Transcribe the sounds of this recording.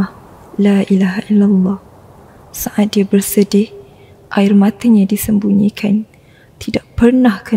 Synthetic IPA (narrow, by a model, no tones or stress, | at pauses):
laʔilaɦaʔilalːɑh | saʔat̪̚diabərsədɪh | ʔaɪrmãt̪aɲãdisəmbuɲikʰan | t̪ʰidaʔpərnahkə